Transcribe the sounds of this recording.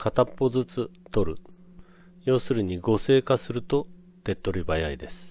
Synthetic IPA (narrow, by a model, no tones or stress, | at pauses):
kat̪apːo̞zɨt͡sɨt̪o̞ɾɯ̟̰ | jo̞ːsɨɾɯ̟ɲ̟iɡo̞se̞ːkasɨɾɯ̟t̪o̞ | t̪e̞t̪ːo̞ɾʲibajaid̪e̞sɨ̥